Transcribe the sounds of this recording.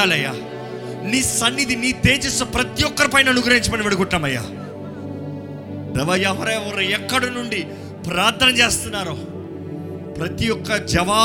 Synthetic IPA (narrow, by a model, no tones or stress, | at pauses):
aːlɐjːa̰ | niːsɐnːid̪iniːt̪eːt͡ʃisɐpɾɐt̪ijɔkːɐɾipɐjnɐnuɡɾɐiɲt͡ʃɐmɐniʋeɽuɡuʈːaːmɐjːa̰ | d̪ɛʋɐjɐʋɐɾɐuɾɐjɛkːɐɽɐnuɳɖi | pɾaːɾt̪ʰːɐnɐmt͡ʃeːst̪unːaːɾoː | pɾɐt̪ijɔkːɐd͡ʒɐʋaː